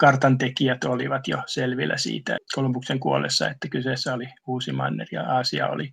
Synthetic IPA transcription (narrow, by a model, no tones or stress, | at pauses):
kɑrt̪ɑnt̪ekiæt̪oliʋɑt̪joselʋilːæ̰sḭːt̪æ̰kolopukseŋkuolːḛsːɑ̰et̪ːækyseːsːæoliuːsimɑ̰nːerjɑ̰ɑːsiɑ̰o̰li